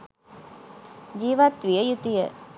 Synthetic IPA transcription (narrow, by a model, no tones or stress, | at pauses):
d͡ʒiːʋat̪ʋijəjut̪ijə